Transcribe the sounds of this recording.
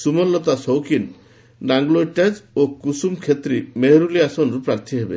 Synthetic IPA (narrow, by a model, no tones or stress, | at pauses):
sumɔlːɔt̪asɔwkin | ɖaŋɡloʈed͡ʒokusumkʰet̪ɾimeɦɾuliasɔnɾupɾaɾt̪ʰiɦebḛ